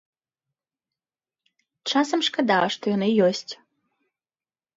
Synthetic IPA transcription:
t͡ʂasɐmʂkad̪avɐʂt̪ɔjɔnɨjɔsʲt͡sʲ

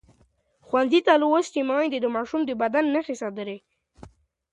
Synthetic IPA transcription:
xwanzit̪aluwost͡ʃimɑjd̪ed̪əmɑʃumd̪əbad̪anːaxesɑd̪əɾe

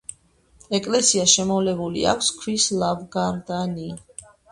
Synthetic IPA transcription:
ɛkʼlɛsiaʃɛmɔvlɛbulḭa̰kʷʰskʰwislavɡaɾd̪ani

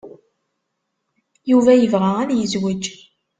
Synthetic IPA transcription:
juvæjəvʁaæðjəzwəd͡ʒ

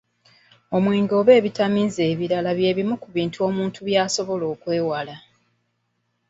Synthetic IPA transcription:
o̞mwiːŋɡo̞ːβe̞ːβitamize̞ːβiɾalaβje̞ːβimukuβiːntʰuo̞ːmuːntʰuβjaːsoβo̞lo̞ːkwe̞ːwala

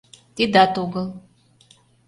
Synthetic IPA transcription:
t̪id̪at̪uɡəlˠ

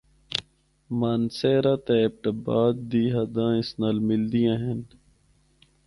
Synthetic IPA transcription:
maːnseːɾaːt̪eep̚ʈɐbaːd̪̚d̪iːɦɐd̪ãːɪ̃snalmɪld̪ijãːɦen

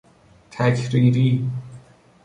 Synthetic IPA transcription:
t̪ʰækʰɾiːɾiː

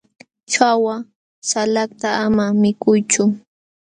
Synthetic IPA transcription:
t͡ʃawa | salakt̪aːmamɪkʊjt͡ʃʊ

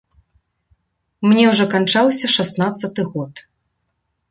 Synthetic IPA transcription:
mnʲɛwʐɔkant͡ʂawsʲɐʂasnat̪sːɐt̪ɨɣɔt̪

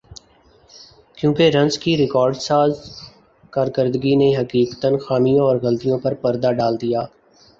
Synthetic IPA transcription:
kjũːkeɾɐ̃nzkiɾɪkɔːɾɖsaːz | kaːɾkəɾd̪əɡineɦɐkiːkt̪ənxaːmijõɔːɾɣəlt̪ijõpɐɾpɐɾd̪aɖaːld̪ijaː

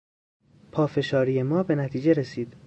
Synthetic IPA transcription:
pʰɒːfe̞ʃɒːɾiːjemɒːbe̞næt̪ʰiːd͡ʒe̞ɾesiːd̪̥

